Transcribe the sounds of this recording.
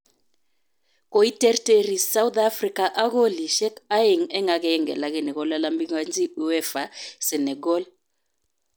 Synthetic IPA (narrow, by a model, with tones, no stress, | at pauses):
ko˨i˦tɛ˦rte˦ɾi˨sa˦u˦d̪a˦fri˦ka˨ʔa˦ɣo˦li˨ʃɛ˦ka˦e˨ŋɛ˦ŋa˨kɛ˨ɛ˦ŋɡɛ̰˨la˨ke˨nɛ˨ɣɔ˨˦la˦lambi˦ŋa˦nzi˦u˦ɛ˦fa˨sɛ˨nɛ˨ɡɔ˦l